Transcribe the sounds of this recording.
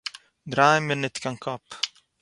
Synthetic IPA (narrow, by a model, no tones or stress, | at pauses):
d̪ɾaːjmɪnːɪt̪kaŋkʰɔpː